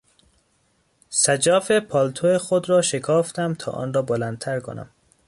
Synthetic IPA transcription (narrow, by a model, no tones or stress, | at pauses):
sæd͡ʒɒːfepʰɒːlt̪ʰoexod̪ɾɒːʃekʰɒːft̪æmt̪ʰɒ̰ːʔɒ̰ːnrɒːbolænd̪t̪ʰæɾkʰo̰næ̰m